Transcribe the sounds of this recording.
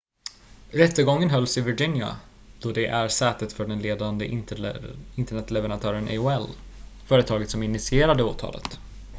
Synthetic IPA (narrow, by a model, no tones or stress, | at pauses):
ɾɛt̪ːəɡɔŋːənɦœlːsɪvɪd͡ʒɪnja̰ | d̪̥ɔd̪ɛʔæɾsɛːt̪ət̪fœɖɛnleːd̪and̪ə | ɪnt̪əɳɛt̪lɛvəɾant̪ʰœːɾənʔɛ̰ʊɛlfœːɾət̪ʰɑːɡət̪sɔmɪnːɪsɪeːɾad̪əoːt̪ʰɑ̰ːlʔə̰t̪